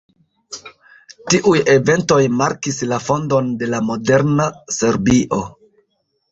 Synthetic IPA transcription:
tiʔuje̞ve̞nto̞jmaɾkislafo̞ndo̞nde̞lamo̞de̞ɾnase̞ɾbiʔo̞

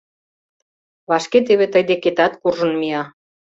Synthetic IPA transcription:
βɑʃket̪̬eβet̪əjd̪eket̪ɑt̪kurʒə̆nmiɑ

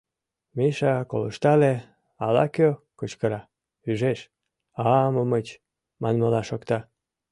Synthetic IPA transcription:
miʃɑkoləʃt̪ɑle | ɑlɑ̰køkot͡ɕkəɾɑ | yʒeʃ | ɑməmət͡ɕ | mɑnməlɑʃokt̪ɑ

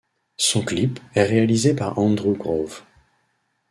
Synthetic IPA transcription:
sɔ̃klipɛʁealizepaʁɑ̃d̪ʁuɡʁov

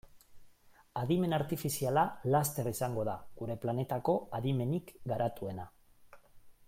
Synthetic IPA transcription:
aðime̞naɾt̪ifisialalast̪e̞risaŋɡo̞ðaɡuɾe̞plane̞t̪ako̞aðime̞nikɡaɾʔat̪ue̞na

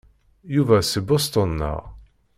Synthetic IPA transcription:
juvæsəbost̪ənːə̰ʁ

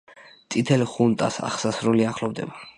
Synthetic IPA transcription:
t̪sʼit̪ʰɛlχunt̪ʼa̰sa̰χsasɾuliaχlɔbd̪ɛ̰ba

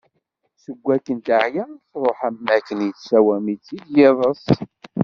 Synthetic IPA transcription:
səɡʷːækːənt̪aʕjæθɾˤoħæmːækːənjəsæwæmit͡sːid̪jɪðˤəsˤ

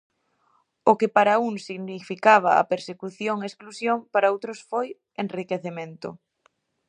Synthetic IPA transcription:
ʊkɪpaɾauŋsiɣnifikaβ̞ɐa̰peɾsekuθjoŋesklusjoŋpaɾaowt̪ɾʊsfoj | enrikeθemẽnt̪ʊ̰

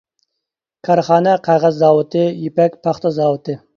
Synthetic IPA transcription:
kʰɑɾχɑːnɛqʰɑʁɑzːɑːwɨt̪ɨjipɛkʲpʰɑχt̪ɑzɑːwɨt̪ʰɨ

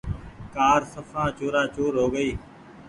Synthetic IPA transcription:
kaːɾsəfʰãːt͡ʃoːɾaːt͡ʃoːɾɦoːɡəiː

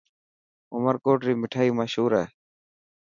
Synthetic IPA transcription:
ʊməɾkoːʈɾimɪʈʰaiməʃuːɾa

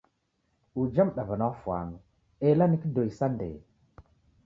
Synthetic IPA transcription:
ud͡ʒamɗavanafwa̰nu | elanikidojsandḛ

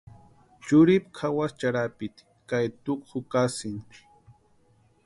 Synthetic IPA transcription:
t͡ʃʊɾɪp̚kʰawast͡ʃaɾapɪt̪ | kajt̪ʊkχʊkasɪn̥

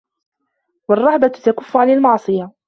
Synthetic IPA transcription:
wɑrˤːɑʕbat̪akʊfːʊʕanalmɑʕsˤɨja

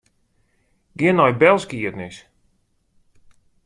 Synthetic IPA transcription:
ɡɪənɔjbɛlˠskiətnɪs

